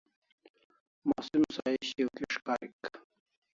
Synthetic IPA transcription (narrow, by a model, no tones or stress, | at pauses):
maːsimsaiɕiokiʂkaːɾik